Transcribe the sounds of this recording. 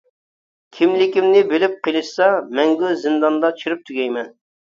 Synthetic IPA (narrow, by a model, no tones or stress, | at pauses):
kʲʰimlɪkʲimnɪbelɪp̚qʰilˠɨʃsɑmɛŋɡʲuzɪnd̪ɑnd̪ɑt͡ʃt͡ʃʰyɾyp̚t̪ʰyɡʲɛjmɛn